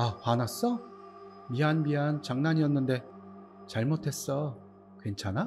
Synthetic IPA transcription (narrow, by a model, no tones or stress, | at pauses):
ahanas͈ʌ | miɦanmiɦant͡ɕaŋnaɲiʌnːɯnde̞ | t͡ɕaɭmotʰe̞s͈ʌ | kwe̞nt͡ɕʰana